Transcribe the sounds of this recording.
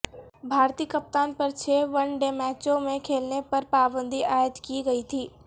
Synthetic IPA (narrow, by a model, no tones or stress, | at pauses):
bʱaːɾt̪iːkəp̚t̪aːnpɐɾt͡ʃʰeːʋɐnɖemɛːt͡ʃõmẽkʰeːlnepɐɾpaːbə̃nd̪ʱiʔaːjət̪kiɡɐit̪ʰiː